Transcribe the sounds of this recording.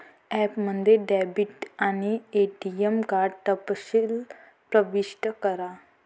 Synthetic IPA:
ɛpmənd̪ʱjeɖɛbiʈañieʈiemkaɾɖ̚t̪əpɕil | pɾəʋiɕʈəkəɾa

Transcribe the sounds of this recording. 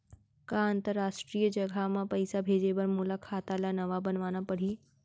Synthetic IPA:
kaə̃nt̪əɾːaːʃʈɾiːjəd͡ʒɐɡʱamãpəjsabʱeːd͡ʒebəɾmuːlakʰaːt̪alanɐʋabənʋaːnapɐɽ̤iː

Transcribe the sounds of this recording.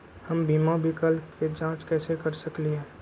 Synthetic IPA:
həmbʱiːmabʱikəlked͡ʒãːt͡ʃkɛːsekəɾsəkliɦɛː

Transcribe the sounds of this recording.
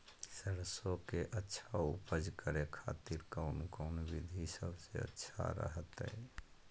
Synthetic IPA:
səɾsokeʔətːʃʰaupəd͡ʒkəɾekʰa̰t̪iɾkəʊnkəʊnbid̪ʱisəbʱseə̰tːʃʰa̰ɾə̰ɦət̪ɛ̰j

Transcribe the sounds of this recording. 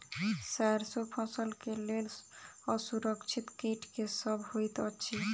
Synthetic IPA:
saɾsopʰɔ̃səlkelelɔsuɾəkt͡ʃʰit̪keʈkesəbʱhojt̪ət͡ʃʰi

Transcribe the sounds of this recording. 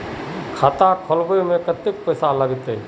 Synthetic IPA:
kʰaːt̪akʰɔlbemẽkət̪ɪk̚pəːsaləɡt̪e

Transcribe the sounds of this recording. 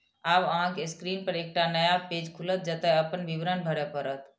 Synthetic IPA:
aʋəɦãkeskɾiːnpəɾeːk̚ʈanəjaped͡ʒkʰulət̪̚d͡ʒət̪ɛɦəpənʋibɾənbʱəɾɛpəɾət̪ʰ

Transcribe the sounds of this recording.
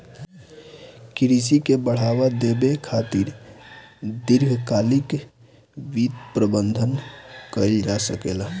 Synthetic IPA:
kɾis̬ikebəɽ̤awad̪ebekʰat̪iɾ | d̪iɾɡʱkalik | ʋid̪pɾəbənd̪ʱənkəld͡ʒasəkela

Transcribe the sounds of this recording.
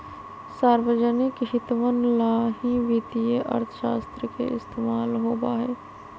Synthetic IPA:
saːɾʋəd͡ʒənikʃɪt̪ʋənlaɦĩʋit̪ijeʔɐ̰ɾt̪ʰəʃa̰ːst̪ɾəkḛɪst̪eːmaːlɦoːbaɦɛː

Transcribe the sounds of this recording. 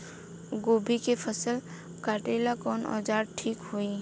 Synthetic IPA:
ɡoːbʱikepʰəsəl | kaːʈeːlakɔːnɔ̰ːd͡ʒaːɾʈʰiːkɦoi

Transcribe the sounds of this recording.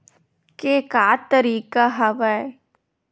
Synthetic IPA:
kekaːt̪əɾiːkaɦɐʋae

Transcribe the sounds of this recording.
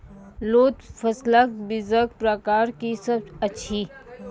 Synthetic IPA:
loːt̪fɐsləkbɪzək̚pɾəkaːɾkisɐbɐtːʃʰi

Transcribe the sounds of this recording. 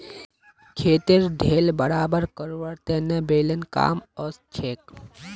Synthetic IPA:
kʰeːt̪iɾɖʱeːlbəɾaːbəɾkəɾʋəɾt̪enəbeːlənka̰ːmɔst͡ʃʰeːk̚

